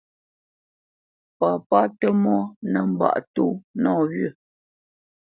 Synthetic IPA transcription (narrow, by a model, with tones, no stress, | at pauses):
pa˨pa˦tə˦mɔ˦nə˨m̩˦˨ba̰˦˨ʔtu˦nɔː˦ɣɥə˦˨